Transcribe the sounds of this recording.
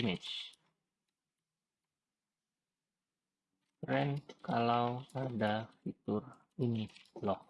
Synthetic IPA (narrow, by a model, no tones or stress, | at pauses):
med͡ʒ | ɾɛnkalawadafit̪ʊr | inilɔh